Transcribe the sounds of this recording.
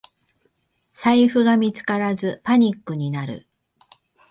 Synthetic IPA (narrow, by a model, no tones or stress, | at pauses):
saiɸɯ̟ɡamʲit͡sɨ̥kaɾazɨpaɲ̟ikːɯ̟ɲ̟inaɾɯ̰